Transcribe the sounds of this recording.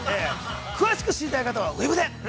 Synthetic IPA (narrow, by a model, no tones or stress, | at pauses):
ekʰɯ̟βaɕi̥kɯ̟ɕiɾit̪aikat̪aβ̞aɯ̟ebɯd̪e